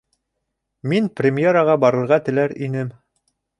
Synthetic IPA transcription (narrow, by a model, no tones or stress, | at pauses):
minprʲɪmʲjeɾəʁɑbɑɾɤ̆ɾʁɑt̪ɘ̆læɾinɘm